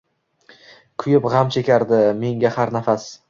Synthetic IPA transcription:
kʲʰʊjɪpʁamt͡ʃʰe̞kʲaɾd̪ɪme̞ŋɡʲahaɾnafas

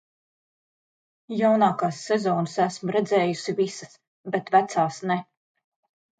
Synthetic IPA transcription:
jawnaːkaːsːɛzɔːnɨsæsmʊɾɛd̪zɛːjusivisəs | bɛt̪væt̪saːsnɛ

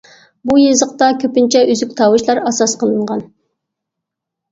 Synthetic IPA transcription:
bujezəqt̪ɑkʲʰøpɪnt͡ʃʰɛʔyzykʲt̪ʰɑwɨʃlˠɑɾɑsɑsqʰəlˠɨɴʁɑn

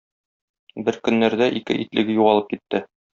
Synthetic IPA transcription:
bɘɾkɵ̆nːæɾd̪æʔikɘ̰ʔit̪lʔɘ̆ɡɘjuʁɑlˠɤp̚kit̪ːɘ

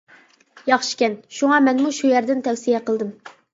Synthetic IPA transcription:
jɑχʃi̥kʲɛnʃuŋɑmɛnmuʃujæɾd̪ɪnt̪ʰɛwsijɛqəlˠd̪ɨm

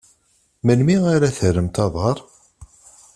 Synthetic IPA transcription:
mənmiaɾaθəɾəmt̪ɑðˤəɾˤ

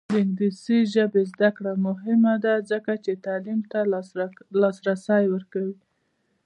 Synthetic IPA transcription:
lɪŋɡd̪isiʒəbezd̪akɽamʊɦɪmad̪azəkat͡ʃet̪ɑlimt̪a | lɑsɾasɑjwəɾkawi

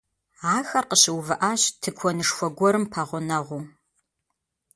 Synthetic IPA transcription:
aːxɐrqəɕɪwvɨʔaːɕtʰɨkʷʰɔnɨʂfʷɔɡʷɔɾɨmpʰɐʁʷʊnɐʁʷuː

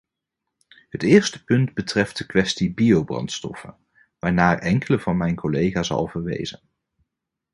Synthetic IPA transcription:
ɦətɪːɹstə̥pɵndbətrɛft̚dəkʋɛstibiowbrɑ̰ntstɔ̰fə̰n | ʋaːɹnaːɹʔɛŋkələvɑnmɛjnkolejχaːsɑ̰lˠvəɹʋḛjzən

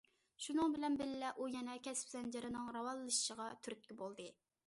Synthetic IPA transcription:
ʃunɨŋbɪlɛnbɪlɪlɛʔujɛnɛkʲɛspz̥ɛnd͡ʒɪɾɨnɨŋɾɑwɑlˠɨːɨʃʃəʁɑt̪ʰyɾyt̪̚kʲɪbolˠd̪ɨ

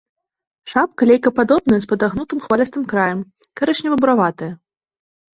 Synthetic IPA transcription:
ʂap̚kɐlʲejkɐpad̪ɔbnɐjɛspɐd̪aɣnut̪ɨmxvalʲɐst̪ɨmkɾajɐm | kaɾɛʂnʲɛvɐbuɾavat̪ɐjɐ

